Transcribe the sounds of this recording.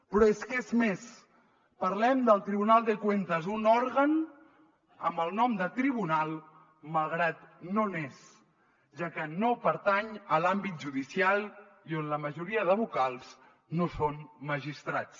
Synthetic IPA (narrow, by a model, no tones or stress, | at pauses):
pɾɔeskezmes | pəɾlɛmd̪əlˠt̪ɾiβunalˠd̪əkwent̪əzunɔɾɣən | ə̰mbəlˠnɔmd̪ət̪ɾiβunalˠ | malˠɣ̞ɾat̪nones | ʒakənopəɾt̪aɲəlambit̪̚ʒuðisialˠ | ionləməʒuɾiəðəβukalˠz | nosonməʒist̪ɾat͡s